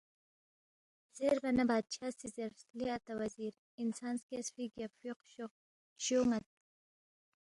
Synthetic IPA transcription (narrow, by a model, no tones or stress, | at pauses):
z̥eɾbɐnɐbaːd̪̚t͡ʃʰaːsizeɾfsliat̪ɐwɐziːɾ | insaːnskesfiɡafiq | ɕoŋat̪̚